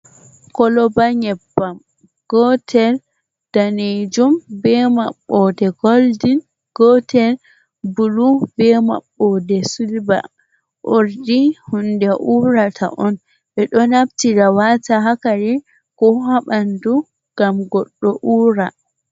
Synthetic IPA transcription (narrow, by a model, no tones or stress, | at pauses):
kɔlɔbaɲɛbːam | ɡ̥ɔtʰɛl | d̥aned͡ʒumbɛma̰ɓːɔdɛɡoldin | ɡ̥ɔtʰɛl | bulubɛma̰ɓːɔdɛsulba̰ | ʔoɾdihundɛʔuːɾatʰa̰ʔɔn | ɓɛɗɔnab̚tiɾawataɦakaɾi | kɔɦaɓandu | ɡ̥amɡɔɗːɔʔuːɾa